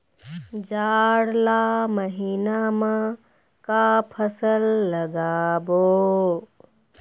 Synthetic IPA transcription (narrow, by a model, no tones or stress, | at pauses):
d͡ʒaːɽlaːməɦiːnamã | kapʰəsəlːɐɡaːboː